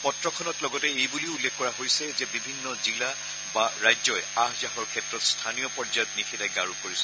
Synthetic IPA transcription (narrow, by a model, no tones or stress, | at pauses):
pɔtɹɔkʰɔnɔtlɔɡɔtɛejbuliʊulːekʰkɔɹaɦojsɛzɛbibʱinːɔzila | baɹajzɔjahzaɦɔɹkʰɛtɹɔtstʰanijɔpɔɹzajɔtnikʰɛdajɡaɹukoɹisɛ